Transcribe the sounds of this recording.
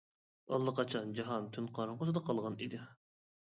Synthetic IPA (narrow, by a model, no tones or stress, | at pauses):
ɑ̰lˠːɑqʰɑt͡ʃʰɑnd͡ʒɑɦɑnt̪ʰynqʰɑɾɑŋqʰosɨd̪ɑqʰɑlˠʁɑnid̪ɪ